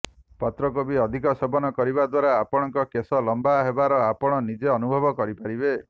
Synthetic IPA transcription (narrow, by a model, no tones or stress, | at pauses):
pɔt̪ɾɔkobiɔd̪ʱikɔsɔbɔnɔkɔɾibad̪waɾaːpɔɽ̃ɔŋkɔkesɔlɔmbaɦebaɾɔapɔɽ̃ɔnid͡ʒeɔnubʱɔbɔkɔɾipaɾibe